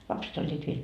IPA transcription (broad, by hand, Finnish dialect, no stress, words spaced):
lɑpset olʲːiːt ʋiel